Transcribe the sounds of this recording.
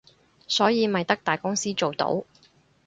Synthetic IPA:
sɔː˨˥jiː˨˧mɐ˨jt̪ɐ˥k̚t̪aː˨jkʊ˥ŋsiː˥t͡ʃo˨wt̪o̰˨˥w

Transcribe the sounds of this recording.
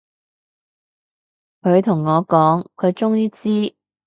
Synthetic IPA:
kʰɵ˨˧ɥt̪ʰʊ˨˩ŋːɔː˨˧kɔː˨˥ŋkʰɵ˨˧ɥt͡ʃʊ˥ŋjiː˥t͡siː˥

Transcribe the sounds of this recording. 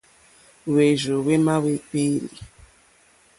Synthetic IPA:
we˨ʒo˨we˦ma˦we˦k͡pe˦li˨

